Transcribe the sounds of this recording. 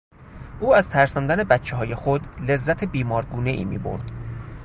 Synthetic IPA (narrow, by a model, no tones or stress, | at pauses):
ʔuːæzt̪ʰæɾsɒnd̪æne̞bæt̪t͡ʃʰeɦɒːje̞xod̪le̞zːæt̪ʰebiːmɒːɾɡuːne̞ʔḭːmḭːbo̰ɾd̪̥